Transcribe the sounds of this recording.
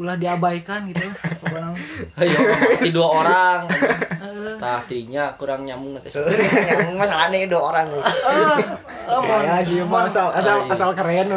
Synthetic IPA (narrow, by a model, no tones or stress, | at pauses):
ulahdiabajkanɡit̪ukuɾaŋjaiduaoɾaŋ | t̪at̪iɲakuɾaŋɲamuŋat̪iɲmuŋmasalanaduaoɾaŋ | aad͡ʒimaasalasalasalkəɾen